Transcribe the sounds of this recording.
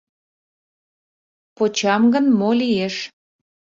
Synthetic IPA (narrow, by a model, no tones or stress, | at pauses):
pot͡ɕɑmɡənmolieʃ